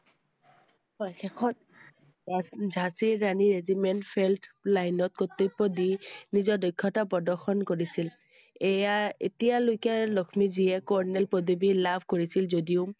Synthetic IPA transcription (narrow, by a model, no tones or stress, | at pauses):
ɔjxɛkʰɔt̚ | zʱasiɹaniɹezimentpʰɛltlajnɔt̪̚kot̪ːupːɔdinizɔɹdɔjkʰːɔtapɔdɔxɔnkoɹisil | ejaḛtijalojkalɔkʰmiziɛkɔɹnɛlpod̪ibilabʱkoɹisilzodiʊ